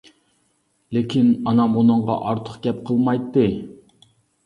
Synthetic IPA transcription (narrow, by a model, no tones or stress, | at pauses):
lekʲʰinɑnɑmunɨɴʁɑ̰ʔɑɾt̪ʰə̥qɡʲɛp̚qʰəlˠmɑjt̪ːɨ